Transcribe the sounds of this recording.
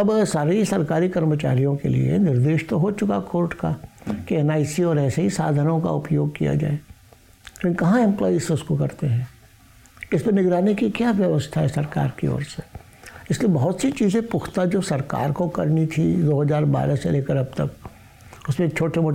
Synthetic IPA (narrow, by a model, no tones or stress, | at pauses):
ɐbsaːɾeisɐɾkaːɾikɐɾmət͡ʃa̰ːɾijõkḛlḭḛnɪɾd̪eːʃt̪oɦot͡ʃʊkakoːɾʈkakiɛnaːɪsiɔːɾɛːseɦisaːd̪ʱənõka̰ʊpjoːɡ̚kija̰d͡ʒa̰ːe | ẽkɐɦãɛ̃mpla̰ːisʊskokɐɾt̪eɦɛ̃ː | ɪsmenɪɡɾaːnekikjaːʋjɐʋəst̪ʰaɦɛsɐɾka̰ːɾkḭɔ̰ːɾse | ɪsliebɐɦʊt̪sit͡ʃiːzẽpʊxʰt̪ad͡ʒoːsɐɾka̰ːɾkokɐɾnit̪ʰid̪oːɦɐzaːɾba̰ːɾaseleːkəɾɐb̚t̪ɐk | ʊsmẽkt͡ʃʰoːʈʰemoː